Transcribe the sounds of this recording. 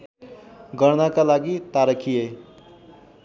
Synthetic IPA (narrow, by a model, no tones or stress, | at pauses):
ɡʌɾnakalaɡit̪aɾʌkʰije